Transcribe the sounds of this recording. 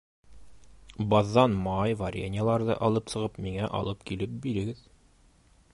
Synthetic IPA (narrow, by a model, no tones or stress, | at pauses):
bɑðːɑnmɑjvɐɾʲenʲɪjəlˠɑɾðɤ̰ʔɒlˠɤpsɤ̆ʁɤpmiŋæʔɒ̰lˠɤpkilɘp̚biɾɘ̆ɡɘð